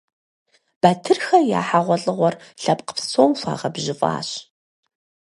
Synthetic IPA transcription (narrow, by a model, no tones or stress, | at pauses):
b̥aːtʰɨrxɐja̰ːħaːʁʷɔɬʼɨʁʷɔrɬɐpqə̥psoːwfʷa̰ːʁɐbʑɪfʼa̰ːɕ